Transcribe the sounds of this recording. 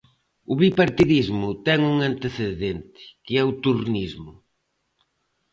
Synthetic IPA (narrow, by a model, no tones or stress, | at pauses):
ʊβipaɾt̪iðizmʊt̪ɛŋuŋãnt̪eθeðent̪ɪ̥kɪɛut̪urnizmʊ